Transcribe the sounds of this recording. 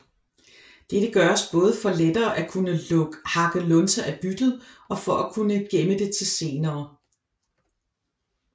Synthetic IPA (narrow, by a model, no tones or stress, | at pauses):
d̥ed̥əɡ̥ɶɐɒsb̥ɔ̽ːð̞ˠfɒ̽led̥ɐːʔækʰunəlɔɡ̥hɑ̈ɡ̥əlɔnsæʔæb̥yd̥ð̩ˠ | ɒ̽fɒ̽ʔækʰunəɡ̥eməd̥e̝t͡sʰe̝lse̝ːnɐː